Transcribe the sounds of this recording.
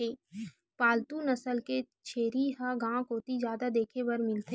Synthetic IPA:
eː | paːlt̪unɐsəlke | t͡ʃʰeːɾiɦaɡãːkoːt̪id͡ʒjaːd̪ad̪eːkʰebɐɾmɪlt̪e

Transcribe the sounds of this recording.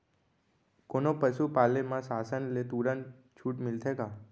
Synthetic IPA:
konopəʃupaːlemãsaːsənlet̪uɾən | t͡ʃʰuːʈmɪlt̪ʰeːɡaː

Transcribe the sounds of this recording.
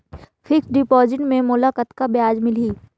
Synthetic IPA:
fʰɪksɖɪpɔːd͡ʒɪ̃ɳʈmẽmʊlakət̪kabjaːd͡ʒmɪliː

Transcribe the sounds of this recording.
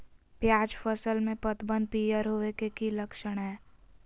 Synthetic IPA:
pjaːd͡ʒfʰəsəlmẽpət̪bə̃nd̪̚pijəɾɦoːekekiləkʃəɽ̃ɦɛː

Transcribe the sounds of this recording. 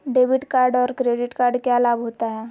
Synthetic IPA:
ɖeʋiʈkaɾɖɔɾkɾeɖiʈkaɾɖkjalabɦot̪aɦɛ

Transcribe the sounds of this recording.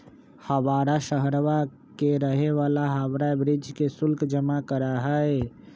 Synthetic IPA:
həʋaːɾaʃəɦɾʋa | keɾəɦeʋalaɦabɾabɾɪd͡ʒkesʊlkd͡ʒəmakəɾaɦəe

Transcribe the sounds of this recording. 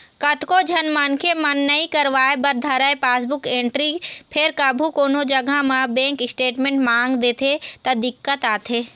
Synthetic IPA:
kɐt̪kod͡ʒʱɐnmankʰemɐnːɐĩkɐɾʋaːebɐɾd̪ʱəɾaepaːsbʊkẽːɳʈɾipʰɪɾkabʱukoːnod͡ʒɐɡʱamãbẽːŋkɪsʈeːʈmẽːɳʈmãːŋɡd̪eːt̪ʰet̪ɐd̪ɪkːət̪aːt̪ʰeː

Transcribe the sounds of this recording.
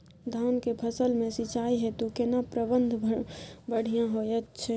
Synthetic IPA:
d̪ʱaʊnkepʰəsəlmẽsit͡ʃaiɦɛt̪ukenapɾəbənd̪ʱbəɽ̤ijãɦojɛt̪t͡ʃʰɛ

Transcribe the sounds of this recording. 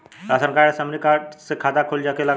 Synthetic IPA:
asənkajasəmnikaʈsekʰat̪akʰold͡ʑakela

